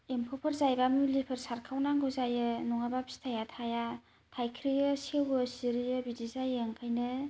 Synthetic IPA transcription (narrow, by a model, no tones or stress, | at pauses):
empʰopʰɯɾzajbamulipʰɯɾsaɾkʰawnaŋɡɯzajɯnuŋabapʰi̥stʰajatʰaja | tʰajkʰɾijɯsewɯsiɾijɯbidizajeŋkʰajnɯ